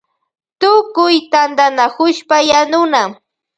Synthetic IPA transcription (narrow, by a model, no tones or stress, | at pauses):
t̪ʊkʊjt̪and̪anakʊʃpajanʊna